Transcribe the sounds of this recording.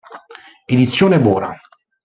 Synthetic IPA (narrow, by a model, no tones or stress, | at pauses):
ed̪it̪sːjoːnebɔːɾa̰